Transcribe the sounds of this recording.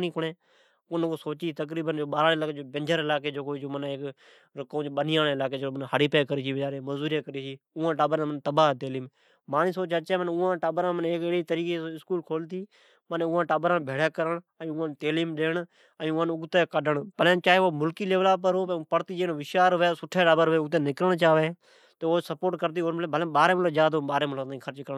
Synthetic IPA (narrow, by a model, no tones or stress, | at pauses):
niːkʊɳẽː | ʊnkoːsoːt͡ʃiːt̪ək̬ɾiːbənd͡ʒoːɓaːɾaːlaːkeːd͡ʒoːbẽnd͡ʒəɾɪlaːk̬eːd͡ʒoːkoːiːd͡ʒoːmənːek | ɾkõːd͡ʒɓənijãːneːɪlaːkeːd͡ʒoːənhəɽiːpeːkəɾiːt͡ʃiːʋd͡ʒaːɾeːməzuːɾeːkəɾiːsiː | ʊːãːʈaːbɾamənt̪əbaːt̪eːliːm | maːniːsoːt͡ʃat͡ʃẽːmənʊːãːʈaːbɾãːməneːkɪɽiːt̪əɾiːkeɪskuːlkʰoːlt̪iː | məneʊːãːʈaːbəɾãːbʱeːɽeːkəɾəɳ | ə̃ːʊːãːnt̪eːliːmɗeːɳ | ə̃ːʊːãːnʊɡt̪eːkəɖəɳpəlẽːt͡ʃaːɦeːoːmʊlkiːleːʋlaːp̬əɾɦoːpəɽt̪iːd͡ʒeːnʋɪʃaːɾʋeːsʊʈʰːeːʈaːbəɾʋeːʊɡt̪̬ẽːnɪkɾəɳt͡ʃaːʋeː | t̪ːoːsəpoːʈkəɾt̪̬iːoːɾmlːbəlẽːɓaːɾẽːmloːd͡ʒaːd̪oɓaːɾẽːmlt̪ːĩkʰəɾt͡ʃkəɾɳ